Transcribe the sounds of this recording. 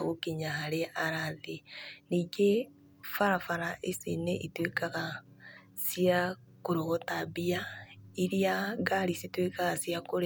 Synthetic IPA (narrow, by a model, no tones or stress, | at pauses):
ɣokiɲaɦaɾeaɾaðeniɡe | faɾafaɾaʔesineʔitwekaɣa | sia | koɾoɣotabiaiɾiaɡaɾisitwekaɣasjakoɾe